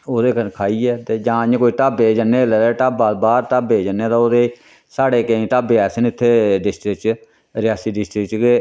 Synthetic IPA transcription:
oːd̪eːkʰaːiːɛːt̪eːd͡ʒãːɲ̃koːiːt̪aːbeːd͡ʒəneːlɛɾeːʈaːbaːlbaːɾt̪aːbeːd͡ʒənːeːt̪ãːoːd̪eː | saːɽeːkeĩːt̪aːbeɛːsənɪt̪ʰːeːɖɪsʈɾɪk̚t͡ʃ | ɾɪjaːsiːɖɪsʈɾɪk̚ʈkeː

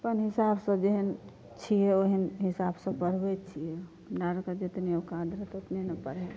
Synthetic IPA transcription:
pənɦisabsə̃d͡ʒeɦən | t͡ʃʰiɛoɦinɦisabsə̃pəɽ̤bɛt͡ʃʰiɛ | naɾkəd͡ʒet̪neokãd̪ɾət̪ot̪nenəpəɽɦɛ

